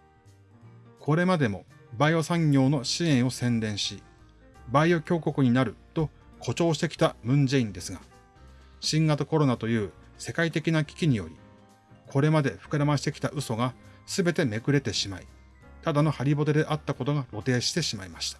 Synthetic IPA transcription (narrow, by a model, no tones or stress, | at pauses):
kʰo̞ɾe̞mad̪e̞mo̞baio̞sãŋɡʲo̞ːno̞ɕiẽ̞ɰ̃o̞sẽ̞nd̪ẽ̞ɰ̃ɕi | baio̞kʲo̞ːko̞kɯ̟ɲ̟inaɾɯ̟t̪o̞ | kʰo̞t͡ɕo̞ːɕi̥t̪ekʲi̥t̪amɯ̟̃ɲ̟d͡ʑe̞ĩnd̪e̞sɨɡa | ɕĩŋɡat̪oko̞ɾo̞nat̪o̞jɯ̟ː | se̞kait̪e̞kʲinakʲi̥kʲiɲ̟ijo̞̰ɾʲi | kʰo̞ɾe̞mad̪e̞ɸɯ̟̥kɯ̟ɾamaɕi̥t̪e̞kʲi̥t̪aʔɯ̟so̞ɡasɨbe̞t̪e̞me̞kɯ̟ɾe̞t̪e̞ɕimai | t̪ad̪ano̞haɾʲibo̞t̪e̞d̪e̞ʔat̪ːako̞t̪o̞ɡaɾo̞t̪e̞ːɕi̥t̪e̞ɕimaimaɕi̥t̪ḁ